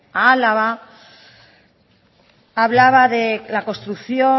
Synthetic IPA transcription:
alaβa | βlaβaðelako̞st̪ɾukθjo̞

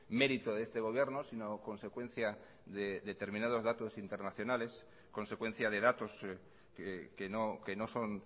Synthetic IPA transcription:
me̞ɾit̪oðest̪e̞ɣ̞o̞β̞jeɾnosino̞ko̞nse̞kwe̞n̟θja | ðeðet̪e̞ɾmĩnað̞o̞zðat̪o̞sint̪e̞ɾnaθjonale̞s | ko̞nse̞kwẽ̞n̟θjað̞e̞ðat̪o̞s | ekenoke̞no̞so̞n

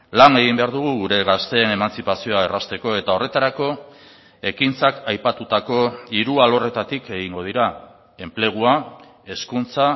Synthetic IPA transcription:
lane̞ɣ̞imbe̞aɾðuɣ̞uɣuɾe̞ɣast̪e̞ːne̞mant͡sipasio̞aerast̪e̞ko̞e̞t̪ao̞re̞t̪aɾako̞ | e̞kint͡sakajpat̪ut̪ako̞iɾualo̞re̞t̪at̪ike̞ɣiŋɡo̞ðiɾa | e̞mple̞ɣ̞ua | e̞skunt͡sa

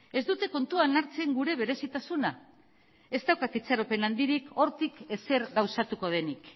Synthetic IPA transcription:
e̞zd̪ut̪e̞ko̞nt̪uanaɾt͡se̞ŋɡuɾe̞β̞e̞ɾe̞sit̪asuna | e̞zt̪awkat̪it͡saɾo̞pe̞nand̪iɾiko̞ɾt̪ike̞se̞ɾɣawsat̪uko̞ð̞e̞nik

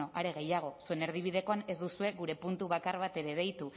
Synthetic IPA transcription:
o̞ʔaɾe̞ɣe̞jaɣ̞o̞sue̞ne̞ɾð̞iβ̞ið̞e̞ko̞ane̞zd̪usue̞ɣuɾe̞punt̪uβakaɾβat̪e̞ɾe̞β̞e̞jt̪u

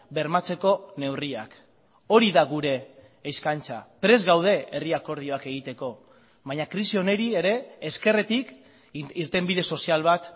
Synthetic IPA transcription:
be̞ɾmat͡se̞ko̞ne̞wria̰k | o̞ɾiðaɣuɾe̞ː | skant͡sa̰pɾe̞zɣawð̞e̞eriako̞ɾðio̞ake̞ɣ̞it̪eko̞ | βaɲakɾisio̞ne̞ɾie̞ɾe̞eske̞ret̪ik | iɾt̪e̞mbið̞e̞so̞sialβ̞at̪

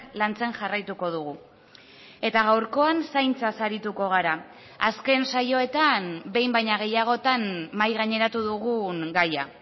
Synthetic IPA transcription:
lant͡se̞ŋʝarajt̪uko̞ð̞uɣ̞u | e̞t̪aɣ̞awɾko̞ansajnt͡sasaɾit̪uko̞ɣaɾa | aske̞nsajo̞e̞t̪ambe̞jmbajɲaɣ̞e̞jaɣ̞o̞t̪anːajɣaɲe̞ɾat̪uðuɣuŋɡaja

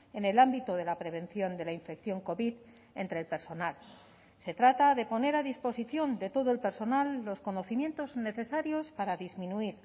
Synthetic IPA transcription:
e̞ne̞lambit̪oð̞e̞lapɾe̞β̞e̞nθjo̞nd̪e̞laiɱfe̞kθjo̞ŋko̞βið | e̞nt̪ɾeːlpe̞ɾso̞nal | se̞t̪ɾat̪aðe̞po̞ne̞ɾaðispo̞siθjo̞nd̪e̞t̪o̞ðo̞e̞lpe̞ɾso̞nalːo̞sko̞no̞θimje̞nt̪o̞zne̞θe̞saɾjo̞spaɾaðizmĩnuiɾ

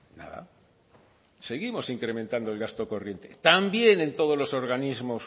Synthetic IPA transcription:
na̰ða̰ | se̞ɣimo̞siŋkɾe̞mẽnt̪and̪oe̞lɣast̪o̞ko̞rje̞nt̪e̞̰t̪ambje̞ne̞nt̪o̞ð̞olo̞so̞ɾɣanizmo̞s

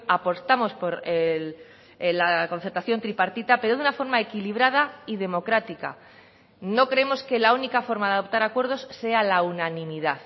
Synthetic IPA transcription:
apo̞st̪amo̞spo̞ɾel | lako̞nθeɾt̪aθjo̞nt̪ɾipaɾt̪it̪ape̞ɾo̞ðunafo̞ɾmae̞kiliβ̞ɾað̞aiðe̞mo̞kɾat̪ika̰ | no̞kɾeemo̞ske̞launikafo̞ɾmaðaðo̞p̚t̪aɾakwe̞ɾð̞o̞sːe̞alaunãnĩmiðað

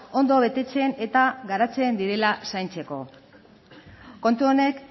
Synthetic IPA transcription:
o̞nd̪o̞β̞e̞t̪e̞t͡se̞ne̞t̪aɡaɾat͡se̞nd̪iɾe̞lasajnt͡se̞ko̞̰ | ko̞nt̪uo̞ne̞k

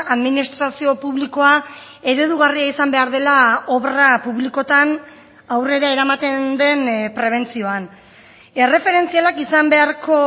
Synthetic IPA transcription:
aðminist̪ɾasio̞puβliko̞a | e̞ɾe̞ðuɣariaisambe̞aɾðe̞lao̞βrapuβliko̞t̪an | awre̞ɾae̞ɾamat̪e̞nd̪e̞npɾe̞β̞e̞nt͡sio̞an | e̞re̞fe̞ɾe̞nt͡sialakisambe̞aɾko̞

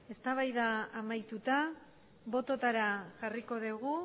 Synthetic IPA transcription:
e̞st̪aβ̞ajðaːmajt̪ut̪a | βo̞t̪o̞t̪aɾaʝariko̞ðeɣu

